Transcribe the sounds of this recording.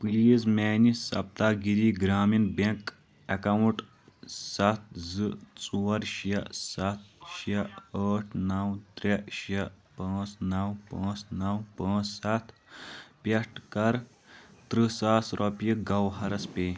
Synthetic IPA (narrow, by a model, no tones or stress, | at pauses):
pliːzmʲɛːnisɐ̰p̚t̪aːɡiɾiːɡɾaːminbek | ɐkɐwũʈ | sɐt̪̚ʰzɨt͡sʼuːɐɾʃɐsɐt̪̚ʰʃɐəːʈʰnɐwt̪ɾeʃɐ | paːt͡snɐwpãːt͡snɐwpãːt͡ssɐt̪ʰpʲɐʂʈkɐɾ | t̪ɾɨsaːsɾʔɔpiɡɐwɦɐɾɐspʲeː